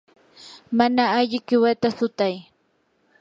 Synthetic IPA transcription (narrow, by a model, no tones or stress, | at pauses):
manaːʎɪkɪwat̪asʊt̪aj